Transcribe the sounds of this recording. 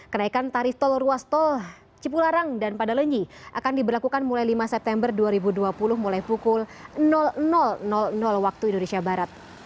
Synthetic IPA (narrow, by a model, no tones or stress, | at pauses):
kənaikant̪aɾift̪ɔlruast̪ɔl | t͡ʃipulaɾaŋdanpadaləɲd͡ʒiʔakandibərlakukanmulajlimasɛp̚t̪ɛmbərduaɾibuduapulʊhmulajpukʊlnɔlnɔlnɔlnɔlwak̚t̪uindonesiabaɾat̪̚